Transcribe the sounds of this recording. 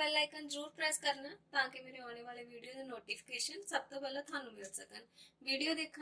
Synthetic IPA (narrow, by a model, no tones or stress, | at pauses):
ɛlːaikənd͡zɾuːɾpɾəjaskəɾnat̪ãkemiɾeɔɽ̃eʋaɭeʋiɽijod͡zenoʈifi̥keɕənsəb̚t̪əbələt̪ʰanuːmiɭt͡sət̪ənʋiɽijod̪ekʰ